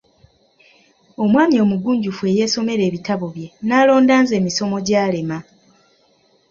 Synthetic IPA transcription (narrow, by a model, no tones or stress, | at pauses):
o̞mwaːmio̞ːmuɡuːɲɟufwe̞ːje̞ːso̞me̞ɾe̞ːβitaβo̞βje̞naːlo̞ːndaːnze̞ːmiso̞mo̞ɟaːle̞ma